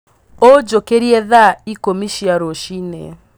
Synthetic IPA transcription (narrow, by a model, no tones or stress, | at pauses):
od͡ʒokeɾiɛðaikomiʃiaɾoʃinḛ